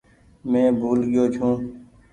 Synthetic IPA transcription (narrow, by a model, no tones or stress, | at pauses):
mẽːbʱuːlɠɪjoːt͡ʃʰũː